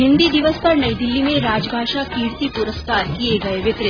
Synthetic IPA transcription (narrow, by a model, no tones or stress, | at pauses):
ɦind̪iːd̪iʋəspəɾɳəjd̪ilːimeɾad͡ʒbʱaʃakiːɽt̪ipuɾəskaɾkieɡəeʋet̪ɾe